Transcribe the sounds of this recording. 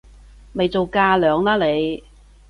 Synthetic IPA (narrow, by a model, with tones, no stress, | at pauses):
me˨jt͡so˨wkaː˧lœː˨˧ŋlaː˥le˨˧j